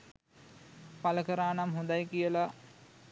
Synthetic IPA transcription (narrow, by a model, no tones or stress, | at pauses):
paləkəɾaːnamɦũnd̪ajkijəla